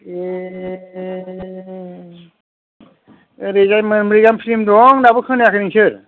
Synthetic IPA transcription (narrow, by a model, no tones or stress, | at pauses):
e | ɾezajmɯnmɾiɡampʰiɾimdɔŋnabɯkʰɯnajakʰɯniŋsʰɯɾ